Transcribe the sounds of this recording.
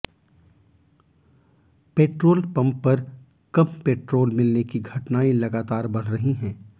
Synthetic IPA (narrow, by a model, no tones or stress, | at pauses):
peːʈɾoːlpɐ̃mpːɐɾ | kɐmpeːʈɾoːlmɪlnekiɡʱɐʈnaːilɐɡaːt̪aːɾbɐɽ̤ɾɐɦiɦɛ̃ː